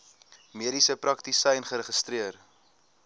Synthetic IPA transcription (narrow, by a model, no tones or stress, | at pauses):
miəɾisəpɾɐktisɛjnχəɾəχəstɾiər